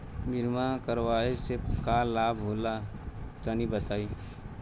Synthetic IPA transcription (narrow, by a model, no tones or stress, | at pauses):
bʱɪɾmakəɾwaːesekalaːbʱɦoːlak̪ənibət̪aːiː